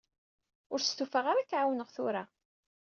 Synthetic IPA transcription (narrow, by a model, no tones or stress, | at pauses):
ʊɾst̪ufaʁaɾakːʕawnəʁθʊɾa